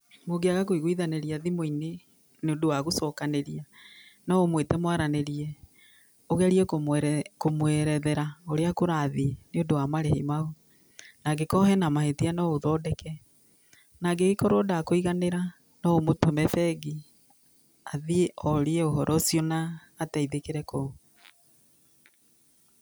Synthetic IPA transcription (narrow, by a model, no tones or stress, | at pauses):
moɡeaɣakoiɣoiðaneɾiaðimoine | neodowaɣosɔkaneɾianɔomwetɛmwaɾaneɾiɛ | oɣɛɾiɛkokomwɛɾɛðɛɾaoɾeakoɾaːðineodowamaɾɛhḛmaɣo | naɡekɔɦɛnamahetianɔoðɔːdɛkʰɛ | naɡeɣekɔɾodakoiɣaneɾa | nɔomotomɛfɛɡi | aðiɔɾeɛoɦɔɾʔɔsiɔnaː | taiðekeɾɛko